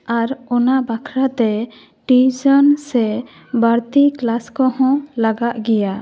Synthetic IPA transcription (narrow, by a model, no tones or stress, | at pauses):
aɾɔnabakʰɾat̪ɛ | ʈid͡ʒɔnsɛ | baɾt̪iklaskɔhɔ̃laɡaʔɡɛja